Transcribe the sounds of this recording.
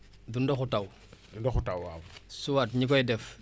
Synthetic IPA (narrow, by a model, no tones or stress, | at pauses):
dundoxutaw | dundoxutawwaːwsuwatɲikɔjdɛf